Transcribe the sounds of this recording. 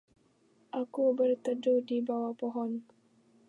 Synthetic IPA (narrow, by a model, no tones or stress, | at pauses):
ʔakubərt̪ədudibawapoɦɔn